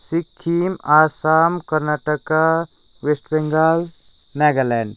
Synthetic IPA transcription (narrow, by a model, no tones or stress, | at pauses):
sikʰːiːmaːsaːmkɐɾnaʈəka | ʋesʈbeŋɡal | nɛːɡəɾlɛːɳɖ